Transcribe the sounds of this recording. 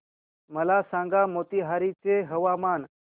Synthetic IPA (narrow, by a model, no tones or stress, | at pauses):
məlasãŋɡamot̪iɦaɾit͡seɦəʋaman